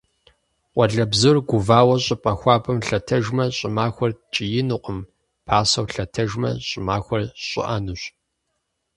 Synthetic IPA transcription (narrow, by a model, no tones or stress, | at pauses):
wʷɐɮɐbzɨrɡʷʊvaːwɐɕʼɪpʼɐxʷɑːbɐmɬɐtʰɐʒmɐɕʼɪmaːxʷɔrt͡ʃʼɪjɪnɨqʷəm | pʰaːsɐwɬɐtʰɐʒmɐ̰ɕʼɪmaːxʷɔrɕʼɪ̰ʔɐnɨɕ